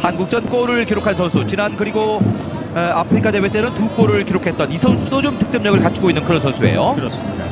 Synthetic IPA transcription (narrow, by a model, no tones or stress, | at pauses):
hanɡuk̚t͡ɕ͈ʌnk͈oɾɯɭkiɾokʰansʰʌnsʰut͡ɕinankɯɾiɡo | eapʰɯɾikʰade̞wet͈enɯntuk͈oɾɯɭkiɾokʰe̞t̚t͈ʌnisʰʌnsʰudot͡ɕomtɯ̥k̚t͡ɕ͈ʌmɲʌɡɯɭkat͡ɕʰuɡoinːɯnkɯɾʌnsʰʌnsʰue̞̰jokɯɾʌs͈ida